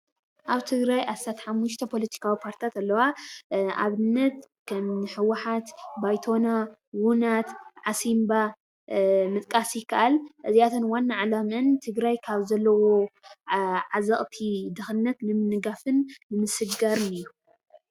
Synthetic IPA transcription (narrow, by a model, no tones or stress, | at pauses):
ʔaβt̪ʰɨɡɾajʔasat̪ħamːuʃ̬t̪ʰɐpʰo̞lɐt̪ʰi̥kʰawipʰaɾt̪ʰit̪ʰat̪alːɐwa | a̰βɨnːɐt̪ | kʰɐmɨħɨwːaħat̪bajt̪ʰo̞nawunat̪ʕasimba | mɨt̪ʼkʼasikʰɐʔalʔɨziat̪ʰɨnwanːaʕalamɨnt̪ʰɨɡɾajkʰaβzɐlːɐwo̞ | ʕazɐχʼt̪ʰid̪ɨxɨnːɐt̪nɨmɨnɨɡafɨnːɨmɨsɨɡɡaɾɨnɨjːu